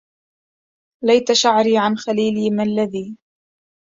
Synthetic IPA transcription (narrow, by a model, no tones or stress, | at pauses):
lajt̪aʃaʕɾiːʕanxaliːliːmalːaðiː